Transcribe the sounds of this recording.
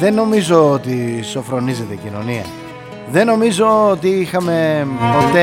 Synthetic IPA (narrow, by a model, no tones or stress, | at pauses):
ðe̞nːo̞mizo̞ot̪iso̞fɾo̞nizet̪eɟino̞̰niɐ̰ | ðe̞no̞mizo̞ot̪iixɐme̞po̞t̪e